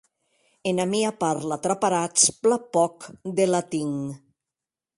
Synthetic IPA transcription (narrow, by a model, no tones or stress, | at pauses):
enamiapaɾlat̪ɾapaɾat͡splapɔkd̪elat̪iŋ